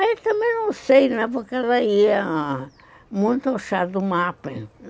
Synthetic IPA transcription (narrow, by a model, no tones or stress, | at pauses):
et̪ɐ̃mẽj̃nɐ̃w̃sejnɛ̃pokaðaia | mũnt̪oʃad̪ʊmapẽ